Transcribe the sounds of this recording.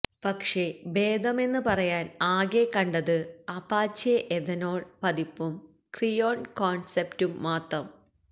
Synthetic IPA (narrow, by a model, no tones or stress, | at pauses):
pɐkʂe̞be̞ːd̪ɐme̞nːɨpɐrɐjaːnaːɣe̞kːɐɳɖɐðɨɐpaːt͡ɕeʔeðɐno̞ːɭpɐðipːum | krijo̞ːnkoːnseptumːaːt̪rɐm